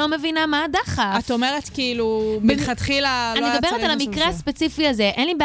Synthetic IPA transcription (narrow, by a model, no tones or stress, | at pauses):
o̞me̞vinamaːdaχaatome̞ʁetkiilubiχat̪χilaanimd̪beʁetalamikʁeaspe̞t͡sifiaze̞ʔenlibe